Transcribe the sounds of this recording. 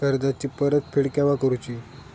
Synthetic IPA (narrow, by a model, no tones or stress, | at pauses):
əɾd̪at͡ɕiːpəɾət̪pʰeɽkɛʋakəɾut͡ɕiː